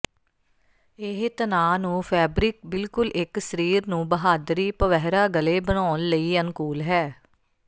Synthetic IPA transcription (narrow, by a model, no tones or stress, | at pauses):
ɪɦt̪ənaːnũːpʰɛːbɾɪk̚bɪlkʊlʔɪksəɾiːɾnũːbəɦaːd̪ɾiːpəʋɛɦɾaːɡəleːbənaːnləiːənkuːlɦɛː